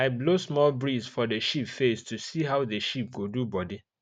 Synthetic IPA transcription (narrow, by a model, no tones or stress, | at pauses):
aɪblosmɔlbɹizfɔdeʃipfestʰusiɦaʊðəʃip̚ɡodubɔdi